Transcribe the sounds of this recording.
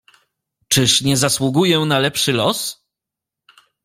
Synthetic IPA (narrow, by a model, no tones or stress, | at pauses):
t͡ʂɘʂɲɛzaswuɡujɛ̃nalɛpʂɘlɔs